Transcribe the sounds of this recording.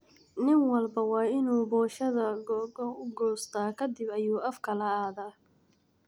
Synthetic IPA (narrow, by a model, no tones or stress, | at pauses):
nɪnwɐlbɐwɑːɪnuːbɔːʃɐðɐɡɡɔʊɡɔːst̪ʰaːkʰɐd̪ɪbɐjuːɐfkʰɐlɐaːðaː